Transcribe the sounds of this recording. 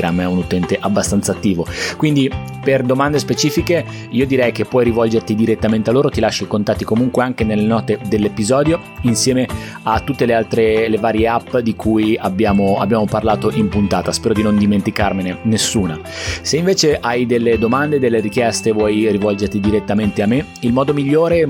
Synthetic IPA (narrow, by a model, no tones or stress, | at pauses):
ɾamːɛunut̪ɛnt̪eʔabːast̪ant̪sat̪ːiːvokwind̪i | perd̪omand̪espet͡ʃiːfike | iːod̪iɾɛjk̟epːwɔjɾivɔld͡ʒert̪id̪iɾet̪ːament̪ealːoːɾot̪ilaʃːikont̪at̪ːikomuŋkweaŋkenelːenɔːt̪ed̪elːepizɔːd̪jo | insjɛːme | at̪ːut̪ːelealt̪ɾelevaːɾjeapːd̪ikʰujabːjaːmoa̰bːjaːmoparlaːt̪oʔimpunt̪aːt̪aspɛːɾod̪inond̪iment̪ikarmenenesːuːna | seiɱveːt͡ʃeʔajd̪elːed̪omand̪ed̪elːeɾik̟jɛst̪evwɔjrivɔld͡ʒert̪id̪iɾet̪ːament̪eamːe | ilmɔːd̪omiʎːoːɾe